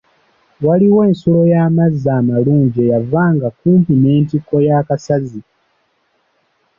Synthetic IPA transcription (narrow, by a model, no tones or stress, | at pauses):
waliwe̞ːnsulo̞jaːmazaːmaluːɲɟejavaːŋɡakuːmpineːntikːo̞jaːkasazi